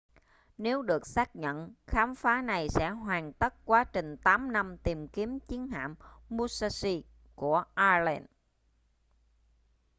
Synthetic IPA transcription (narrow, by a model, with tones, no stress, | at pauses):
ne˨˦wɗɨ˨˩ək̚saː˦˥k̚ɲə̰˧˨nxaː˨˦mfaː˨˦na˨˩jsɛ̰˧˥ɦwaː˨˩ŋt̪ə˦˥t̚kwaː˨˦t͡ɕï˨˩ŋ̟t̪aː˨˦mna˧mt̪i˨˩mki˨˦əmt͡ɕi˨˦ənha̰ː˧˨mːu˧sa˧si˧ | ku˧˩əʔaː˧lɛ˧n